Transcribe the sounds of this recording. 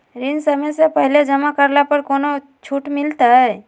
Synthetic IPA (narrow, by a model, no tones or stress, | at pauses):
ɾɪnsəməjsepəɦled͡ʒəmakəɾlapəɾkoːno | t͡ʃʰuʈmɪlt̪aɦɛː